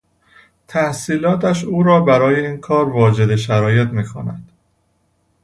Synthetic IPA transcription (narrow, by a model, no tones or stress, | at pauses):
t̪ʰæhsiːlɒːt̪ʰæʃuːɾɒːbæɾɒːje̞iːnkʰɒːɾvɒːd͡ʒe̞d̪e̞ʃæɾɒːje̞t̪miːkʰo̰næ̰d̪̥